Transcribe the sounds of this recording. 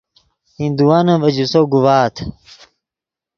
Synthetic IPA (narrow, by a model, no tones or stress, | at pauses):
hĩnd̪uwaːnɐ̃ʋɐd͡ʑusoɡuwaːt̪ʰ